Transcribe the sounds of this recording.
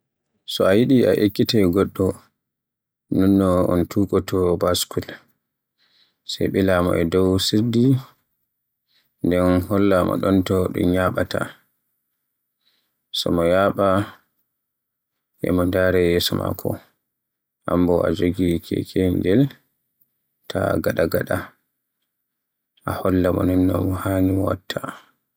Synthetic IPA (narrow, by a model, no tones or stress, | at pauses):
sɔajiɗiʔaʔekːitɛɡɔɗːɔ | nunːɔɔntʰuːkʼɔtʰɔbaskul | sɛ̰ɓɛlamɔ̰ʔɛdɔwsiɾdi | ndɛnhɔlːamɔ̰ɗɔntɔɗṵmɲaɓata̰ | sɔmɔjaɓa | ʔɛ̰mɔndaɾɛjɛsɔma̰kʰɔ | ʔambɔad͡ʒoɡikʰɛ̰kʰɛnd͡ʒɛl | tʰaɡaɗaɡaɗa | ʔahɔlːamɔnɛnːɔ̰mɔhaːnimɔwa̰tʰːa